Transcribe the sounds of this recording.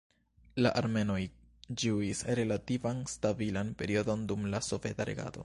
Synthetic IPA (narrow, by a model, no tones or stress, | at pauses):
laʔaɾme̞no̞j | d͡ʒuisɾe̞lativanstabilanpe̞ɾio̞do̞ndumlaso̞ve̞taɾe̞̰ɡa̰to̞̰